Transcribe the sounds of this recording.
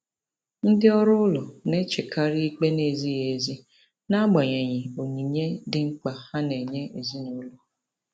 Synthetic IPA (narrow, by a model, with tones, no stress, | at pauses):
n̩˦dɪ˦ɔ˦ɾʊ˦ʊ˦lɔ˨ne˦t͡ʃe˨kʰa˦ɾi˦i˦k͡pe˦ne˨zi˦ɣe˨zi˦ | na˦ɡ͡ba˨ɲe˨ɲɪ˨o˨ɲi˨ɲe˦dɪ˦ŋ͡m̩˦k͡pa˨ha˦ne˨ɲe˦e˨zi˦nʊ˦lɔ˨